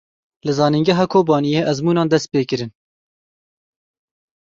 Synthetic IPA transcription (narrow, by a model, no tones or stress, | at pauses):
lɨzɑːniŋɡɛɦɑːkʰoːbɑːnijeːʔɛzmuːnɑːnd̪ɛst̪̚peːkɨɾɨn